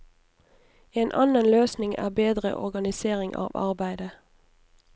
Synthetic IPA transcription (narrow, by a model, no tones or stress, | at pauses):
eːnʔɑnənløːsnɪŋʔæ̰ːbeːd̪ʁə̰ʔɔʁɡɑnɪseːʁɪŋʔɑ̰ːʋɑ̰ʁbæɪd̪ə